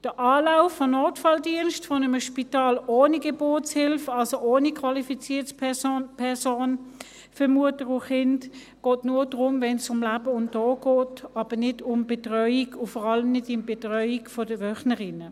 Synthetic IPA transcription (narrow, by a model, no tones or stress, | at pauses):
d̥əʔɑːlaʊfːonoːtfɑldiənʃtfonəməʃpitɑːloːniɡeb̥ʊɐtshɪlfɑlsoʔoːnikʰvɑlifit͡siːɐtspːpʰɛsoːn | fʏmuətəʁʊχɪnd | ɡ̥oːtnuːɐdʁʊmvɛnsʊmlab̥əʊntɔːɡ̥ɔːtɑb̥ənɪdʊmb̥etʁœʏiɡʊfɔʁɑləmnɪdɪmbetʁœʏikfodəʋœχnəʁɪnə